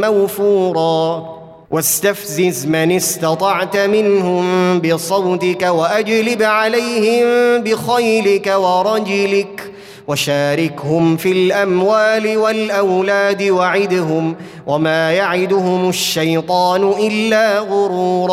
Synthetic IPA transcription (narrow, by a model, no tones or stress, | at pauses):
mawfuːɾˤɑː | wʔast̪afzɪzmanɪst̪ɑt̪ˤɑʕt̪mɪnhʊmbɪsˤɑwt̪ɪkawaʔad͡ʒlɪbʕalajhɪmbɪxajlɪkawɑɾˤɑd͡ʒɪlɪk | waʃaːɾɪkhʊmfilʔamwaːlɪwalʔawlaːd̪ɪwaʕɪd̪ɦʊm | wʔamaːjaʕɪd̪ʊɦʊmʊʃːajt̪ˤɑːnʊʔɪlːaːɣʊɾuːɾˤɑː